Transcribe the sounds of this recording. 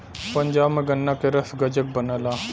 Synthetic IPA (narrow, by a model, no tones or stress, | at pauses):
pəɲd͡ʒaːbmẽɡɐnːakeɾɐsɡɐd͡ʒək̚bənalaː